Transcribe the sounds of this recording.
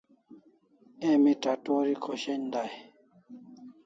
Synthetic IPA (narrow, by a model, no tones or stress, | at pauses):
ɛmitatɔɾikʰɔʃɛndaj